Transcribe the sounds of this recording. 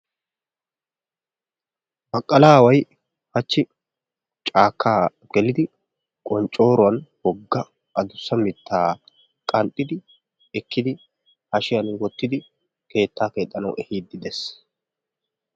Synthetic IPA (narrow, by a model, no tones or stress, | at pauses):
bɐkʼːɐlaːwɐj | hɐt͡ʃːɪ | t͡ʃʼaːkʰːaː | ɡ̥ɛlɪd̪ɪ | kʼɔnt͡ʃʼːo̞ːɾʊwɐnwɔɡːɐ | ʔɐd̪ʊsːɐmɪt̪ːaː | kʼɐnt̪ʼːɪd̪ɪ | ɛkːɪd̪ɪ | hɐʃɪjɐnwɔt̪ːɪd̪ɪ | ke̞ːt̪ːaːke̞ːt̪ʼːɐnɐwɛhiːd̪ːɪd̪ɛs